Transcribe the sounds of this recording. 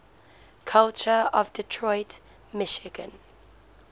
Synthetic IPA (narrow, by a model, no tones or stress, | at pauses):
kʰʌlt͡ʃəəvdɪtʰɹɔɪt | mɪʃɪɡə̃n